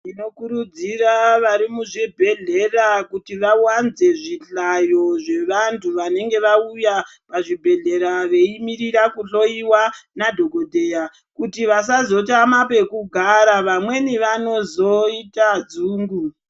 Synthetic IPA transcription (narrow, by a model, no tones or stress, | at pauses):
ino̞kuɾud͡ziraʋaɾimuʐibʱe̞ɮe̞rakutiʋawanze̞ʐiɬajo̞ʐe̞ʋantʰuʋane̞ŋɡe̞ʋaujapaʐibʱe̞ɮe̞ɾaʋe̞imiɾiɾakuɬo̞iwanadʱo̞ɡo̞dʱe̞ːja | kutiʋas̬azo̞tamape̞kuɡʱaɾaʋamwe̞niʋano̞zo̞itad͡zuːŋɡu